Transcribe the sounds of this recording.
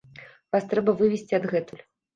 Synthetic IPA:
vast̪ɾɛbɐvɨvʲesʲt͡sʲiɐd̪ɣɛt̪ulʲ

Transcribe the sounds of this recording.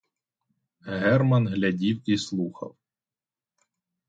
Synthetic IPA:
ɦɛrmɐnɦlʲɐdʲiwislˠuxɐ̰w

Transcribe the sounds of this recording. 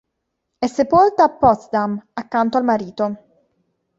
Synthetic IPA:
ɛsːepolt̪aːpːɔt̪sd̪amakːant̪oalmaɾiːt̪o

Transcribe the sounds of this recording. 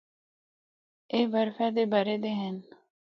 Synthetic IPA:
eːʋəɾfɛd̪eːbaːɾed̪eːɦɛn

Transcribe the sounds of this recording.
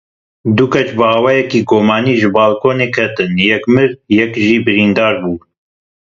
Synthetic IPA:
d̪ukɛt͡ʃbɨɑːwɛːjɛkiːɡoːmɑːniːʒɨbɑːlkʰoːneːkʰɛt̪ɨnjɛkmɨɾjɛkʒiːbɨɾiːnd̪ɑːɾbuː

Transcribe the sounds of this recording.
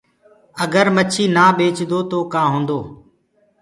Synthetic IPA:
əɡəɾmət͡ʃʰiːnaːbeːt͡ʃd̪oːt̪oːkãːɦõːnd̪oː

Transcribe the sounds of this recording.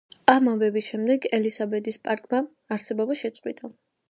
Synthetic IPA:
amambɛbisʃɛmd̪ɛɡɛlisabɛd̪ispʼaɾkʼmaː | ɾsɛbɔbaʃɛt̪sʼqʼwit̪ʼa

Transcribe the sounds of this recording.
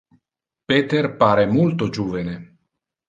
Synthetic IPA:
peːt̪erpaːɾemult̪od͡ʒuːvene

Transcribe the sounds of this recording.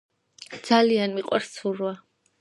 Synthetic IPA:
d̪z̥alianmiqʼwaɾssʰuɾwa

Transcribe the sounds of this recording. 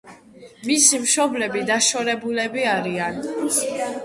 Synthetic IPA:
misimʃɔblɛbid̪aʃɔɾɛbulɛbiaɾian

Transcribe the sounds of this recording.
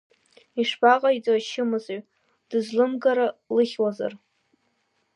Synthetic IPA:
iʂbaqʼait͡sʼaʃɪmɨzaɥ | d̥ɨzlɨmɡaɾalɨχʲwaza̰r

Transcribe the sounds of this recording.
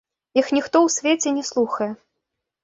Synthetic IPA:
ixnʲixt̪ɔwsʲvʲet͡sʲɛnʲɛslˠuxɐjɛ

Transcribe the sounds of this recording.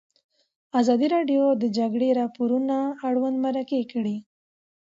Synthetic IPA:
azɑd̪iɾɑɖjod̪əd͡ʒaɡɽeɾɑpoɾunaːɽwand̪maɾakekəɽi

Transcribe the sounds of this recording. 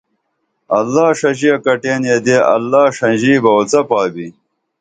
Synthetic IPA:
ɐlːaːʂɐʑiɐkɐʈeːnjed̪eʔɐ̰lːaːʂɐnʑiːbɐwɐt͡sɐpaːbi

